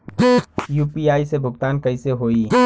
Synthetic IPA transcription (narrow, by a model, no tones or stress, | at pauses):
juːpiaːisebʱʊɡt̪aːnkɐiseɦoːiː